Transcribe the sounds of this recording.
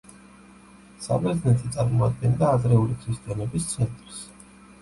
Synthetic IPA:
sa̰bɛɾd̪znɛt̪ʰit̪sʼaɾmɔad̪̚ɡɛnd̪aːzɾɛulikʰist̪ʼianɛbist̪sʰɛnt̪ʼɾs

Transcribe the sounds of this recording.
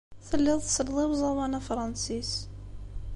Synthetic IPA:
θəlːɪðˤθsəlðˤiwzˤɑwɑnafɾˤɑnsis

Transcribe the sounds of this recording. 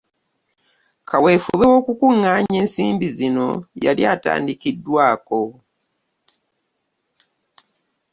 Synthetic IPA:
kʰawe̞ːfuβewo̞ːkukuŋːaːɲe̞ːnsiːmbizino̞jalja̰ːta̰ːndikidːwaːko̞

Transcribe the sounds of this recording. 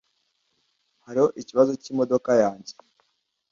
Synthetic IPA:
haɾiho̞ʔiciβazociːmo̞do̞kajaːɲɟe

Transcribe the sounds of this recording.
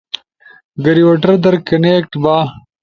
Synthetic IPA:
ɡɐɾiwɐʈɐɾd̪ɐɾkɐneːk̚ʈbaː

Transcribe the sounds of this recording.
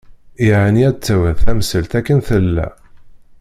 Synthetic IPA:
iʕaniæt͡sːæwənθæmsəlt̪ækːənθəlːæ̰

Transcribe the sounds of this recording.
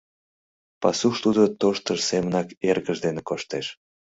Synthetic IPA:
pɑsuʃt̪ud̪ot̪oʃt̪əʃsemənɑkerɣəʒd̪enekoʃt̪eʃ

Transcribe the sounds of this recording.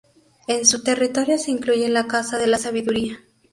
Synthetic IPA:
e̞nsut̪e̞rit̪o̞ɾjo̞se̞iŋkluʝe̞nlakasaðe̞lasaβ̞iðuɾia

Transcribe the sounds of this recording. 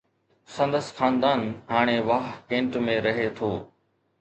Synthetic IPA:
sɐ̃nd̪əsxaːnd̪aːnɦaːɽ̃eʋaːɦkẽːɳʈmẽɾɐɦet̪ʰoː

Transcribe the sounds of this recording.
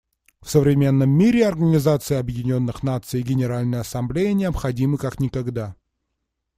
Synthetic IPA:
fsəvɾʲɪmʲe̞nːəmːʲiɾʲɪɐrɡənʲɪzat̪sɨjɐbjɪdʲɪnʲo̞nːɨxnat̪sɨjɡʲɪnʲɪɾalʲnəjəɐsɐmblʲejənʲɪɐpxɐdʲimɨkaknʲɪkɐɡd̪a

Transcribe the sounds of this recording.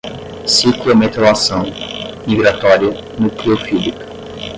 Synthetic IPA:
siklomet̪ewasɐ̃w̃miɡɾat̪ɔɾiɐ | nʊkliofizik

